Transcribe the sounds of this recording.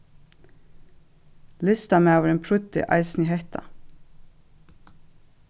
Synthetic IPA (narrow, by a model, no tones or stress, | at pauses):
lɪst̪ɑmeːɑʋəɾeːnpʰɹʉt̪ɪ̰ʔɑ̰ɪsnɪhɛht̪ʰɑ̰